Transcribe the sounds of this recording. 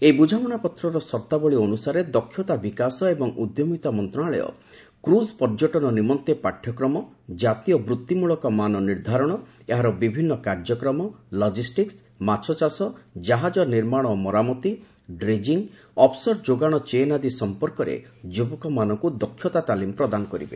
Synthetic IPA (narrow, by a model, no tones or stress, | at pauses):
eibud͡ʒʱamɔñapɔt̪ɾɔɾɔsɔɾt̪abɔɭiɔnusaɾed̪ɔkʰːjɔt̪abikasɔebɔŋʔud̪jomit̪amɔnt̪ɾɔɳaɭɔ̰jɔ̰ | kɾuspɔɾd͡ʒɔʈɔnɔnimɔnt̪epaʈʰjɔkɾɔmɔ | d͡ʒat̪ijɔbɾut̪ːimuɭɔkɔmanɔniɾd̪ʱaɾɔɽ̃ɔ | eɦaɾɔbibʱinːɔkaɾd͡ʒɔkɾɔmɔlɔd͡ʒisʈiks | mat͡ʃʰɔt͡ʃasɔd͡ʒaɦad͡ʒɔniɾmaɽ̃ɔmɔɾamɔt̪i | ɖɾed͡ʒiŋ | ɔpʰsɔɾd͡ʒoɡaɽ̃ɔt͡ʃeːnad̪isɔmpɔɾkɔɾḛd͡ʒubɔkɔmanɔŋkud̪ɔkʰːjɔt̪at̪alimpɾɔd̪anɔkɔɾḭbḛ